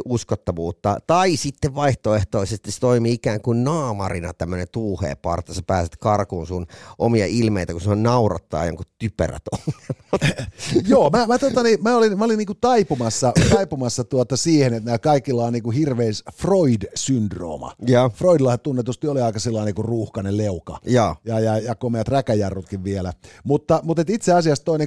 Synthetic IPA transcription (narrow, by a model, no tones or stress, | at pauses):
uskot̪ːɑʋuːt̪ːɑt̪ɑisit̪ːeʋʋɑiht̪oeht̪oˑisest̪ise̥t̪oimiːikæːŋkunnɑːmɑ̰rinɑ̰t̪æmːønent̪uːhḛːpɑ̰rt̪ːɑsɑpæːset̪kɑrkuːnsunʔomiɑʔilmeit̪ækuseonnɑurɑ̰t̪ːɑːɑjɑ̰ŋkutt̪ypø̰ræ̰t̪olɑ | joːmæmæt̪ot̪ɑnimæolinmæoliniːkut̪ɑipumɑsːɑt̪ɑipumɑsːɑt̪uot̪ɑsiːhenet̪næːkɑikːilːɑːnniːkuhirʋeːsfroidsyndro̰ːmɑ̰jɑːfroidilːɑhɑtt̪unːet̪ust̪ioliɑikɑsilːɑˑinekuruːhkɑnelleukɑjɑːjɑjɑjɑkomeæt̪rækæjærːut̪kiʋʋielæmut̪ːɑmut̪et̪it̪seɑsiɑst̪oine